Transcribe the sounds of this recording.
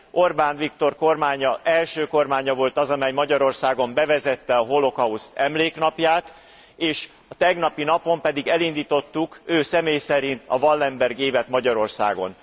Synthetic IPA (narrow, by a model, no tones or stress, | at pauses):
ʔo̞rbaːnvik̚t̪o̞rko̞rmaːɲɒʔɛlʃøːko̞rmaːɲɒvo̞lt̪ɒzɒmɛjmɒɟɒɾo̞rsaːɡo̞mbɛvɛzɛt̪ːɛɒɦo̞lo̞kɒust̪ɛmleːkn̪ɒpjaːt̪ | eːʃ | ɒt̪ɛɡnɒpinɒpo̞mpɛd̪iɡɛlind̪iːt̪o̞t̪ːukøːsɛmeːjsɛɾint̪ɒvɒlːɛmbɛrɡeːvɛt̪mɒɟɒɾo̞rsa̰ːɡo̞̰n